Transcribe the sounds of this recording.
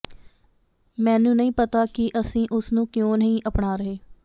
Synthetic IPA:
mɛ̃ːnũːnəɦĩːpət̪aːkɪʔəsĩːʔʊsnũːkjõːnəɦĩːʔəpɳaːɾəɦeː

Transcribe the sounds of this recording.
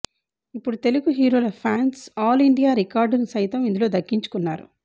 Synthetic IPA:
ipːuɽut̪e̞luɡuɦiːɾo̞ːlɐpʰaːnsaːliɳɖijaːɾikaːɾɖnisɐjt̪ɐmind̪ulo̞ːd̪ɐkːiɲt͡ʃu̥kunːaːɾṵ

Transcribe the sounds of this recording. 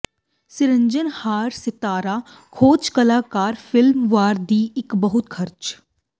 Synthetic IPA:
sɪɾə̃ɲd͡ʒənhaːɾsɪt̪aːɾaː | kʰoːt͡ʃkɐlaːkaːɾfɪlmʋaːɾd̪iːɪkbɐɦʊt̪kʰɐɾt͡ʃ

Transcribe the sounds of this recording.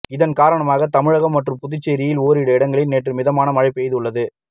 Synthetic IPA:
ɪðɐnkaːɾɐɳɐmaːɣɐt̪ɐmɪɻɐɣɐmːɐʈrɯmpʊðɪt͡ʃːɐɾijɪloːɾɪɽɐɪɽɐŋɡɐɭɪnneːʈrɯmɪðɐmaːnɐmɐɻɪpːɛjðɯɯɭːɐðɯ

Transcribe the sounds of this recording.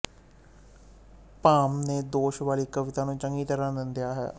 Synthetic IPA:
paːmneːd̪oːʃʋaːliːkəʋɪt̪aːnũːt͡ʃəŋɡiːt̪əɾaːnɪ̃nd̪ɪjaːɦɛ̰ː

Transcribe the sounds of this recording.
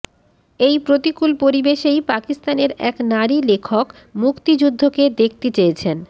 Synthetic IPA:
ejpɾot̪ikulpoɾibeʃejpakist̪aneɾɛknaɾilekʰok | mukt̪id͡ʑud̪ʱːoked̪ek̚ʰt̪et͡ɕejet͡ɕʰen

